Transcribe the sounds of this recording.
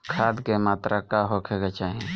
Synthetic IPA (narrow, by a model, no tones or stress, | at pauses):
kʰaːd̪kemaːt̪ɾʔakaːɦokʰeɡat͡ʃaːɦẽ